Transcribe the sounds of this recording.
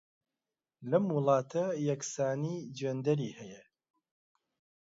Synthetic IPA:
lɐmwʊlˠɑːt̪ʰɐjɐksaːnid͡ʒeːnd̪ɐɾiːhɛjɛ

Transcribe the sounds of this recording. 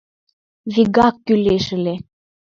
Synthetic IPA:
βiɡɑkːyleʃɘ̆le

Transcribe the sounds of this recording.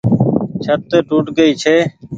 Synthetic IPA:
t͡ʃʰət̪ːeːʈuːʈɡəiːt͡ʃʰeː

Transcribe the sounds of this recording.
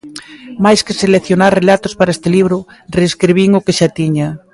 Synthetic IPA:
majskeselekθjonaɾrelat̪ospaɾaest̪eliβ̞ɾoreskɾiβ̞iŋokeʃat̪iɲa

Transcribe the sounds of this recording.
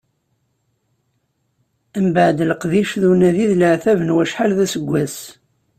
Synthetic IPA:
æmbəʕd̪lqðiʃðunæðiðləʕθævənwæʃħalðæsəɡʷːæs

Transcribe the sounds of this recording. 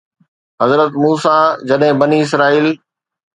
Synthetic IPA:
ɦɐzɾət̪muːsaːd͡ʑɐɗɦɪ̃bɐniɪs̬ɾaːiːl

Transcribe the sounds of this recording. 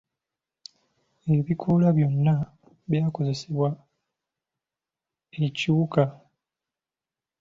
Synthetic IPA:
e̞βikʰolaβjo̞nːa | βjaːko̞ze̞seβwa | eciuka

